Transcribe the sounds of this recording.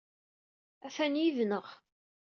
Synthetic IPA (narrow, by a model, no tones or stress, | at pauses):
æfænjivnəʁ